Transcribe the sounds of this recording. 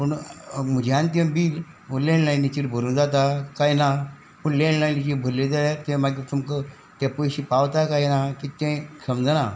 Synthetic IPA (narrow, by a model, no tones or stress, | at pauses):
pəɳməd͡ʑjãnt̪̬ẽbiːl | əlẽnlajnit͡ɕiɾbʱəɾuːnd͡zat̪̬akajna | pəɳlenlajnit͡ɕiɾbʱəɾled͡zaat̪ẽmaɡit̪ʰumkə | t̪apəjɕipawt̪akajnakit̪ɛ̃kʰəmd͡zna